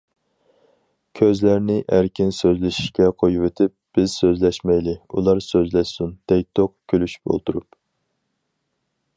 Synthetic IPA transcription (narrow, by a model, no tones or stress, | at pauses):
kʲʰøzlæɾnɪʔæɾkʲʰinsøzlɪʃi̥ʃkʲɛqʰojuwet̪ʰɪp̚b̥ɪz̥søzlɛʃmɛjlɪṵlˠɑɾsøzlɛʃsund̪̥ɛk̚ʲt̪ʰoqkʲʰølyʃy̥p̚bo̰lˠt̪uɾup